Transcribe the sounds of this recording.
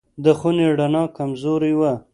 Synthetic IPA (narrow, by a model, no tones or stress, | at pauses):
d̪əxuneɽanɑkamzoɾiwa